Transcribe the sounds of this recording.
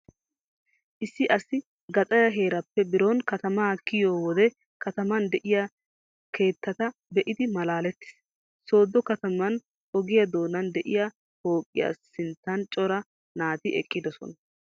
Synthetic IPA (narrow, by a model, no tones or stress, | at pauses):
ʔɪsːɪʔɐsɪ | ɡɐt̪ʼɐjɐɦe̞ːɾɐpːɛbɪɾonkɐt̪ɐmaːkːɪjoːwɔd̪ɛ | kɐt̪ɐmɐnd̪ɛʔɪja | kʰe̞ːt̪ːɐt̪ɐbɛʔɪd̪ɪmɐlaːlɛt̪ːɪ̥s | so̞ːd̪ːɔkɐt̪ɐmɐn | ʔɔɡɪjɐd̪o̞ːnɐnd̪ɛʔɪja | ho̞ːkʼːɪja̰sːɪnt̪ːɐnt͡ʃʼɔɾɐ | naːt̪ɪʔɛ̰kʼːɪd̪ɔsɔ̰nɐ